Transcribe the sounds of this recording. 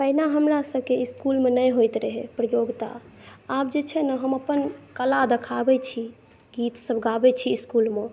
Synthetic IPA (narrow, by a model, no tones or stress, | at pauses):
pəinaɦəmɾasəbkeiskulmenəjɦojt̪ɾəɦepɾəjoɡt̪a̰ | ap̚d͡ʒet͡ʃʰɛnəɦəməpənkəlad̪ekʰabɛt͡ʃʰi | ɡit̪səbɡabɛt͡ʃʰiːskulme